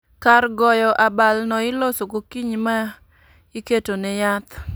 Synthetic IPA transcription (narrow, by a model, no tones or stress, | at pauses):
karɡɔjɔʔabalnɔɪlosokokiɲma | ɪketonɛjat̪